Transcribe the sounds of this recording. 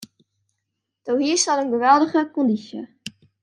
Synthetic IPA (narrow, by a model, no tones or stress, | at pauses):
d̥owɦiːsɑlˠənɡəʋɛlˠdəχəkɔndisjə̰